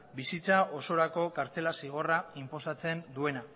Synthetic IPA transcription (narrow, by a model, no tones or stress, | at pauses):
bisit͡saʔo̞so̞ɾako̞kaɾt͡se̞lasiɣ̞o̞raimpo̞sat͡se̞nd̪ue̞na